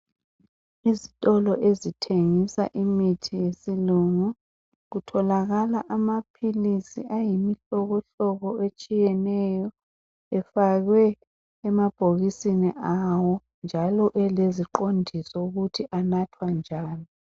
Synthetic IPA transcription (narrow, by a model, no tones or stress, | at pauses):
izitʼɔlɔʔezitʰeŋisa̰ʔimitʰijesiluŋu | ɣutʰɔlaɣalaʔamapʰilisḭʔajimiɬɔɣɔɬɔɣɔet͡ʃʼijɛnɛjɔ | ɛfaɣwɛː | mab̥ʱoɣisinɛ̰ʔawɔ | nd͡ʒʱalɔʔɛleziǃondʱisɔuɣutʰiʔanatʰwand͡ʒʱaːni